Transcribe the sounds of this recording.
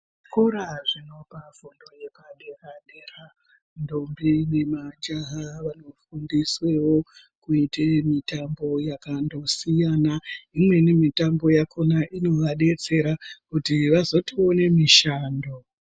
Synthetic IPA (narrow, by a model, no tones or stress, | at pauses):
koɾaʐino̞pafundo̞jekaɗekaɗeːra | ndombinemad͡ʒaɦaʋano̞fundiswe̞wo̞ | kuitemitambo̞jakando̞sijanaimwe̞nimitambo̞jakʰonaʔino̞ʋaɗe̞t͡se̞ɾakutiʋazo̞tio̞ne̞miʃaːndo